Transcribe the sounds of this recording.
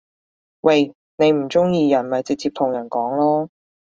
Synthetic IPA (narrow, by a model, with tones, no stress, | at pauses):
wɐ˧j | ne˨˧jm̩˨˩t͡sʊ˥ŋjiː˧jɐ˨˩nmɐ˨jt͡sɪ˨k̚t͡sʰiː˧p̚t̪ʰʊ˨˩ŋjɐ˨˩nkɔː˨˥ŋlɔː˥